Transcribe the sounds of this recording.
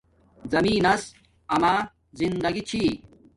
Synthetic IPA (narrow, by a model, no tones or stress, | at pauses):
zɐmiːnɐs | ɐmaː | zind̪ɐɡit͡ɕʰi